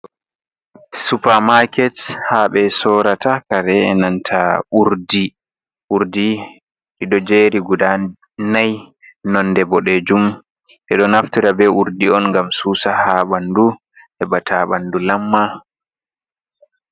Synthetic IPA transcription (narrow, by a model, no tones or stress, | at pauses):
supamakɛthaɓɛsɔːɾatakaɾɛɛnantʰaʔuɾdi | ʔuɾdi | ɗiɗɔd͡ʒeɾiɡuda | naj | nɔnːdɛbɔɗɛd͡ʒum | ʔɛɗɔnaftiɾabɛuɾdiɔnŋɡamsuːsahaɓandu | ʔɛbatʰaɓandulamːa